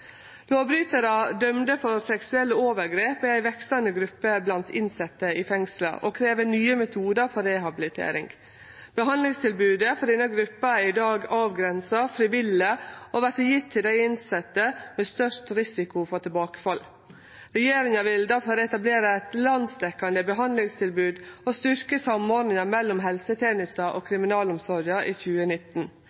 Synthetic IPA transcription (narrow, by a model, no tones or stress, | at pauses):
loːbɾyːt̪əɾəd̪œmd̪əfɔɾsɛksʉɛlːəoːʋəɾɡɾeːpɛæɪʋɛkst̪ənəɡɾʉpːəblɑnt̪ɪnsɛt̪ːəɪfɛŋslə̰ʔo̰kʰɾeːʋənyːəmɛt̪ʰuːd̪əɾfɔɾɛɦɑbɪlɪt̪ʰḛːɾɪ̰ŋɡ | b̥əɦɑnlɪŋst̪ʰɪlbʉːd̪əfɔd̪ɪnəɡɾʉpːəɪd̪ɑːɡɑːʋɡɾɛnsɑfɾɪʋɪlːəoʋæɾʈəjɪt̪ʰːɪld̪æɪɪnsɛt̪ːəmeːst̪œʂtɾɪsɪkʊfɔt̪ʰɪlbɑːkə̥fɑlː | ɾɛjeːɾɪŋɑʋɪld̪æɾfɔːɾɛt̪ɑbleːɾəɛt̪lɑnsd̪ɛkːɑnd̪əbəɦɑnd̪lɪŋst̪ʰɪlbʉːd̪ost̪ʏɾkəsɑmoːɾɖnɪŋɑmɛlːɔmɦɛlsət̪ʰɛnɪst̪ɑʔoːkʰɾɪmɪnɑːlʊmsɔɾjɑʔiːçʉːənɪt̪ːn̩